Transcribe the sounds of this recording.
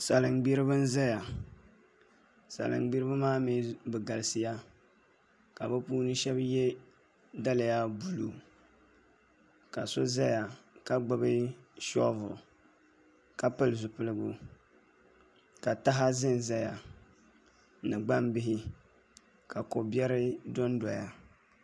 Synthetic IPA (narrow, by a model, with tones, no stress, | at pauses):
sa˨lɨ˨ŋɡ͡bi˦ɾɨ˦βɨ˦n̩˦za˦ja˨ | sa̰˨lɨ̰˨ŋɡ͡bi˦ɾɨ˦bɨ˦maː˦mi˨˦bɨ˨ɡa˨lɨ˨sɨ˨ja˦ | ka˨bɨ˦puː˦nɨ˦ʃɛ˦bjɛ˦ | da˦la˨ja˦bu˨lu˨ | ka˨so˦za˦ja˨ka˦ɡ͡ba˦bɨ˦ʃɔ̰˦vʊ̰˨ | ka˨pɨ˦lɨ˨zʊ˨pɨ˦lɨ˦ɡu˦ | ka˨ta˦ɦa˦zɨ˦n˨za˦ja˨ | nɨ˨ɡ͡ba˦mbɪ˦ɦɪ˦ | ka˨ko˨bjɛ˦ɾɪ˦do˦n˦da˨ja˨